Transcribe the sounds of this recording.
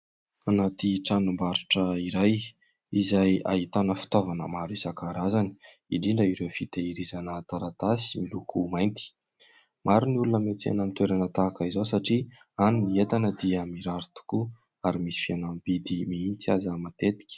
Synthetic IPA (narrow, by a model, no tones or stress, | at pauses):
anat̪iʈ͡ʂanumbaɾiʈ͡ʂəiɾaj | izaja̰ɦit̪anəfi̥t̪ovanə̰maɾuisakaɾazani̥ | iɖ͡ʐiɳɖ͡ʐaiɾewfit̪eiɾizanət̪aɾat̪asi̥milukʰumajnt̪i̥ | maɾiniulunəmet͡sia̰namit̪weɾanət̪akaizowsaʈ͡ʂi | anuniet̪anəd̪iəmiɾaɾit̪u̥ku | aɾimisi̥fianamibid̪imiint͡siazamat̪et̪i̥kʲi̥